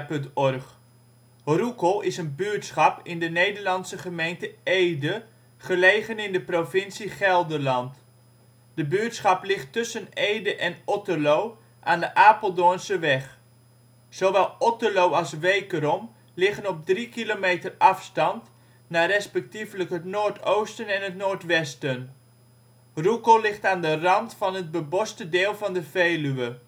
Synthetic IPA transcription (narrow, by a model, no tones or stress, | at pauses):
pɵntɔrχ | rukəlˠɪsənbyətsχɑpɪndənejdərlɑnsəχəmejntəejdə | χəlejχənɪndəprofɪnsiχɛlˠdərlɑnt | d̥əbyətsχɑplɪχtʏsənejdəʔɛnɔtəlow | ʔaːndəʔaːpəlˠdonsəʋɛχ | sowʋɛlˠɔtəlowɑlˠsʋejkəɾɔm | lɪχənɔp̚drikilomejtərɑfstɑnt | naːɾɛspɛk̚tivələkɦətnoːɹtowstənɛnɦətnoːɹtʋɛstən | rukolɪχtaːndərɑntfɑnɦət̚bəbɔstədeːlˠvɑndəvejlyʋə